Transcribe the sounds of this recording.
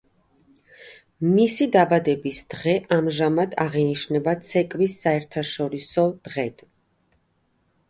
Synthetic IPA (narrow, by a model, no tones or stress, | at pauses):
misid̪abad̪ɛbisd̪̥ʁɛʔamʒamad̪aʁɛniʃnɛbat̪sʰɛkʼvisːaɛɾt̪ʰaʃɔɾisɔd̪̥ʁɛd̪̥